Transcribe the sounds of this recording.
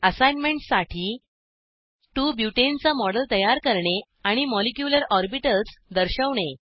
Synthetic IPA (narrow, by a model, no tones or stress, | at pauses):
əsajnmeɳʈsaʈʰiː | ʈuːbjuʈent͡samɔɽəlt̪əjaɾkəɾɳe | aɽ̃imɔlekjuləɾɔɾbiʈət͡sd̪əɾɕəʋɳe